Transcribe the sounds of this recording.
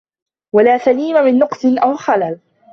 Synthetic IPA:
walaːsaliːmamɪnːʊqsˤɨnʔawxalal

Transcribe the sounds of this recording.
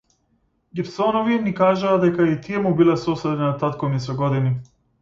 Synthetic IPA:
ɡipsɔnɔvinikaʒaːd̪ɛkait̪ijɛmubilɛsɔsɛd̪ɛnat̪at̪̚kɔmisɔɡɔd̪ini

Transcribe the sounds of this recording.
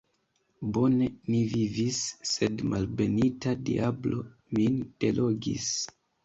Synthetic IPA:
bo̞ne̞mivivisːe̞dmʔalbe̞nitadḭʔablo̞ | mind̥e̞lʔo̞ɡḭs

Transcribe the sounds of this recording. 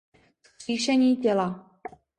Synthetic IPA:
sxr̥iːʃɛɲiːcɛla

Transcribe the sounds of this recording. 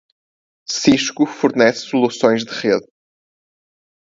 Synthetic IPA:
siʃkufuɾnɛsːulˠusõj̃ʒðɨʁeð

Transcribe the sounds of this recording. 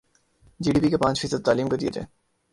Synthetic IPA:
d͡ʒiːɖiːpikepãːt͡ʃfiːsəd̪̚t̪aːliːmkod̪ijḛd͡ʒã̰ː

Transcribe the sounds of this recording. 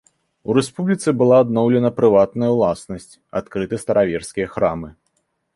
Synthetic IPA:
uɾɛspublʲit̪sɨbɨlˠaːd̪nɔwlʲɛnɐpɾɨvat̪̚nɐjɐwlˠasnɐsʲt͡sʲa̰t̪kɾɨt̪ɨst̪ɐɾʔavʲɛrskʲijɐxɾamɨ

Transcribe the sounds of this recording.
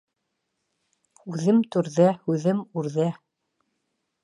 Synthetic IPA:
ʉðɘmt̪ʉɾðæhʉðɘmʉɾðæ

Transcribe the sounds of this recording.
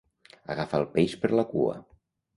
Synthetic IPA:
aɣafalˠpaispəɾlakṵə̰

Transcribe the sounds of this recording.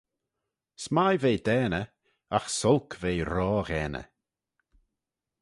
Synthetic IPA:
smajveːd̪ɛːnə | axsɔlkʰveːɾɔːɣɛːnə̰

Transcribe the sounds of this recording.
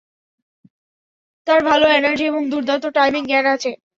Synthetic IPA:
t̪aɾbʱaloenaɾd͡ʑieboŋd̪uɾd̪ʱat̪oʈajmiŋɡɛnat͡ɕʰe

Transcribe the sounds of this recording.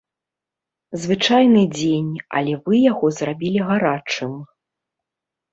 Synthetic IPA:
zvɨt͡ʂajnɨd͡zʲenʲɐ̰lʲɛvɨjaɣɔzrabʲilʲiɣaɾat͡ʂɨm

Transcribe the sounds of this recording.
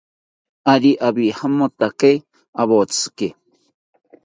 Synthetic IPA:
aɾiʔaβihamot̪ake | aβot͡sɨ̥ke

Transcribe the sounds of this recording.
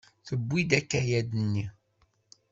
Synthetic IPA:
θəbːid̪ækːæjæd̪ənːi

